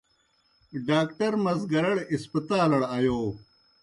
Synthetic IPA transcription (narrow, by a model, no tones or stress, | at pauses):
ɖaːkʈɐɾmɐzɡɐɾɐɽispɐt̪aːlɐɽaːjoː